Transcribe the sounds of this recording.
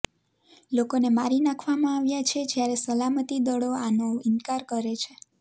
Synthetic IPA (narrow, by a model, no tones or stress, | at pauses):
lokonemaɾinakʰʋamãaʋjat͡ʃʰed͡ʒjaɾesəlamət̪id̪əɽoanoɪnkaɾkəɾet͡ʃʰe